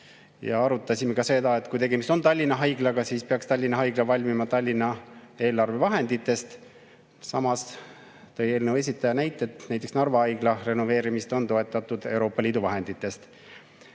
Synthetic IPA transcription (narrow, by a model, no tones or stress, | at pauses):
jɑ̰ɑɾut̪ːˑɑsʲimekɑse̞d̪ɑe̞t̪kujt̪e̞ɡe̞mist̪ont̪ɑlʲːinːˑɑɦɑjɡ̥lɑɡɑsiːspeɑkst̪ɑlʲːinːɑɦɑjɡ̥lɑvɑlʲmimɑt̪ɑlʲːinːˑɑe̞ːlɑrve̞vɑɦe̞nd̪̥it̪ːˑe̞st̪ | sɑmɑs | t̪ɤ̞je̞ːlnewe̞s̬ʲit̪ːˑɑjɑnæjt̪ːˑet̪næjt̪ːˑe̞ksnɑrvɑɑjɡ̥lɑre̞no̞ve̞ːɾimist̪o̞nt̪o̞e̞t̪ːˑɑt̪ːˑud̪̥e̞uwɾo̞ːpːˑɑliːd̪uvɑɦe̞nd̪it̪ːˑe̞st̪